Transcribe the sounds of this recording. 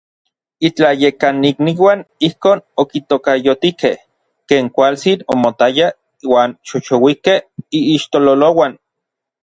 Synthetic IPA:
it͡ɬajekanːikniwanihkoːnokit̪okajot̪ikeh | keːŋkʷalt͡sinomot̪aja | waːnʃot͡ʃowikehiːʃt̪ololowan

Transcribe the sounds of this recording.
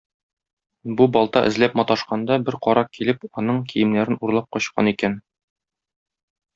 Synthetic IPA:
bubɒlˠt̪ɑʔɘ̆zlæpmɒt̪ɑʃqɑnd̪ɑbɘɾqɒɾɑkilɘpɒnɤɴkʰijɘ̆mnæɾɘnuɾlˠɑp̚qɒɕqɑ̰nikæn

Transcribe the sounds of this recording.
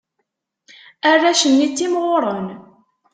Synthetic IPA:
ærːæʃənːit͡sːimʁoʊɾˤən

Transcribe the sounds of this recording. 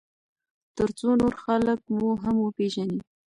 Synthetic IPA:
t̪əɾt͡sonoɾxalək̚muɦamwəpeʒani

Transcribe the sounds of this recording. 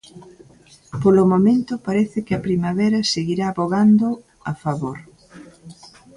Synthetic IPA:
polomomẽnt̪ʊpaɾɛθɪkɪɐpɾimaβɛɾɐseɣiɾaːβoɣand̪ʊ | afaβoɾ

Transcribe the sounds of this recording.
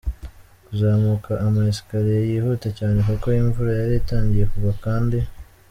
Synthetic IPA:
kuzaːmukʰaʔːmaesi̥kaɾijejiːhuːtacaːne̞kuko̞iɱvuɾajaɾiataːɲɟije̞kuβakaːndi

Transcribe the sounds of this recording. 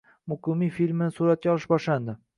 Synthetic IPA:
mʊqɨmijfilʲmɪnɪsuɾat̪̚kʲaɒlˠɪʃbɒʃland̪ɪ

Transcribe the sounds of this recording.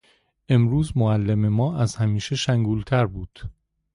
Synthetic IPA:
ʔe̞mɾuːzmoælːeme̞mɒːʔæzhæmiːʃe̞ʃæŋɡuːlt̪ʰæɾbuːd̪̥

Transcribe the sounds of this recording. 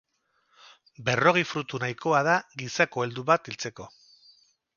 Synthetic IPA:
be̞ro̞ɣ̞ejfɾut̪unajko̞aðaɣisako̞e̞ld̪uβat̪ilt͡se̞ko̞

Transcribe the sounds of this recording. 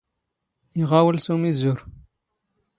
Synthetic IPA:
iʁɑwəlsumizuɾ

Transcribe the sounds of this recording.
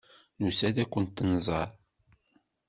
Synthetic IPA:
nusæd̪ækʷːənt̪ːənzˤɑɾˤ

